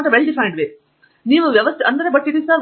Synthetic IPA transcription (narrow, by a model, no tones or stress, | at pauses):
ʈɐʋeɭɖifʰɐjɳɖʋeː | niːʋuʋjɐʋɐst̪iɐnd̪ɐɾebɐʈːiʈisɐ